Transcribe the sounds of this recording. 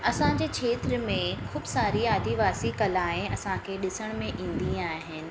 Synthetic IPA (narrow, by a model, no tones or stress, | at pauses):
ɐsãd͡ʑeːkʰeːt̪ɾəmẽxʊːbsaːɾiaːd̪ʱiʋaːsikɐlaːɪ̃ɐsãkʰeːɗɪsəɽ̃mẽʔĩːn̆d̪ĩaːɦɪnɪ̆